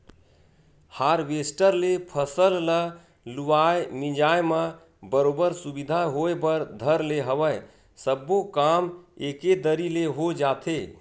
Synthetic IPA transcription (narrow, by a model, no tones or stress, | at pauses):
haɾʋesʈəɾlepʰəsəllə | luaemĩd͡ʒajmə | bəɾobəɾsubid̪ʱaɦoebəɾd̪ʱəɾleɦəwəj | səbːokameked̪əɾileɦod͡ʒat̪ʰe